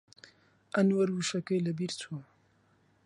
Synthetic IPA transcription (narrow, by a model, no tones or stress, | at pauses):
ʔɐnwɐɾwuʃɐkɐjlɐbiɾtʰuɐ